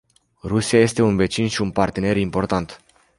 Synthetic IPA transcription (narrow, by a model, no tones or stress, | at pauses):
rusijaje̞st̪e̞unve̞t͡ʃinʃiunpart̪e̞ne̞ɾimpo̞rt̪ant̪